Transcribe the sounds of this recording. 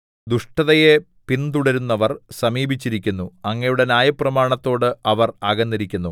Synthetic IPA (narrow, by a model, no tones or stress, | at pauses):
d̪uʂʈɐðɐje | pint̪uɽɐɾunːɐʋɐrsɐmiːbʱit͡ɕːiɾikʲːunːuɐŋːɐjuɽe̞njaːjɐprɐmaːɳɐt̪ːo̞ːɽɨɐʋɐrɐːɡɐnːiɾikʲːunːu